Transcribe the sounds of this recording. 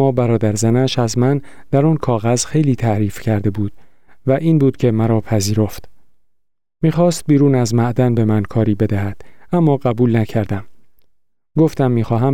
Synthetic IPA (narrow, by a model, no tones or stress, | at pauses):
mɒːbæɾɒːd̪æɾzænæʃæzmænd̪̥æɾɔːnkʰɒːɣæz̥xe̞jliːt̪ʰæʔɾiːfcʰæɾd̪e̞buːd̪̥væʔiːnbuːd̪̥cʰe̞mæɾɒːpʰæziːɾo̞ft̪ | miːχɒːst̪̚biːɾuːnæzmæʔd̪ænbe̞mænkʰɒːɾiːbe̞d̪æɦæd̪̥æmːɒːɣæbuːlnæcʰæɾd̪æm | ɡo̞ft̪æmːiːxɒːɦæm